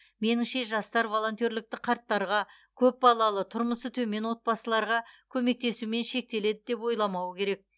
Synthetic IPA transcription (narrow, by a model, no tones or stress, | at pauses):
me̞nɪŋʃe̞ʒɑst̪ɑɾvo̞lˠo̞nt̪ʲjo̞ɾlɪk̚t̪ɪqʰɑɾt̪ːɑɾʁɑ | kʲʰɵp̚bɑlˠɑlˠət̪ʰʊɾməsət̪ʰɵme̞nwo̞t̪̚pɑsəlˠɑɾʁɑkʲʰɵme̞k̚t̪e̞sume̞nʃe̞k̚t̪e̞le̞d̪ɪd̪e̞p̬wo̞jlˠɑmɑwəkʲʰe̞ɾe̞k̚